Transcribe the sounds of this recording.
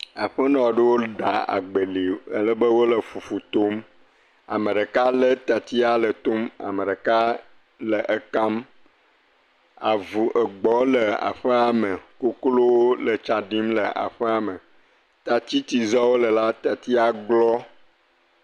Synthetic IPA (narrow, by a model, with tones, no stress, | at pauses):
a˨ɸə˦nɔ̃˨ɖə˦wo˦ɖa˨a̰˨ɡ͡bə˨li˨ə̰˦lə˦bə˦wo˦lə˨fu˨fu˨t̪o˦m | a̰˨mə˨ɖə˨ka˦lə˦t̪a˨t̪i˦a˨lə˨t̪o˦ma̰˨mə˨ɖə˨ka˦ | lə˨ʔə˦ka˦m | a˨vu˨ʔə˨ɡ͡bɔ˨lə˨a̰˨ɸə˦a˨mə˨ko˦klo˦wo˦lə˨t͡ʃa˨ɖi˦mlə˨ʔa̰˨ɸə˦a˨mə˨ | t̪a˨t͡ɕ̪i˦t̪i˨zɔ˦wo˦lə˨la˦t̪a˨t̪i˦a˨ɡ͡blɔ˦